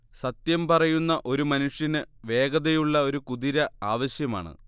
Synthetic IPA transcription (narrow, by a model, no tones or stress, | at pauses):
sɐt̪jɐmpɐrɐjunːɐʔo̞ɾumɐnuʂjɐnɨʋe̞ːɡɐðejuɭːɐo̞ɾukuðiɾɐaːʋɐɕjɐmaːɳɨ̰